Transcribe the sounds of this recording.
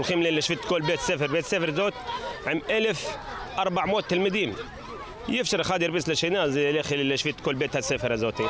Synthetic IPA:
lxiːmlilːɪʃfit̪koːlbeːt̪sefəɾbeːt̪sefəɾzoːt̪ʕɪmʔalɪf | ʔɑɾˤbaʕmoːt̪ːɪlmɪd̪iːm | jɪfʃɪɾxaːd̪iɾbislaʃinazlexilɪlːiʃfit̪koːlbeːt̪hasefɾazoːt̪i

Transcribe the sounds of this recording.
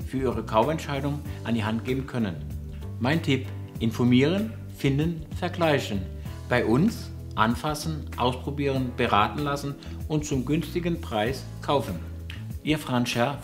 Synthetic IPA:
fyːɐʔiːʁ̞əkʰaʊfɛntʃaɪdʊŋʔandiːɦantɡ̥eːbn̩kʰœnən | maɪntʰɪp | ʔɪnfɔɐmiːʁ̞ən | fɪndn̩ | fɛɐɡlaɪçn̩ | b̥aɪʔʊns | ʔa̰nfasn̩ʔaʊspʁ̥obiːʁ̞ənb̥əʁaːtn̩lasn̩ | ʊnt̚t͡sʊmɡʏnstɪɡn̩pʁ̥aɪs | kʰaʊfn̩ | ʔiːɐfʁ̥anʃɛɐ

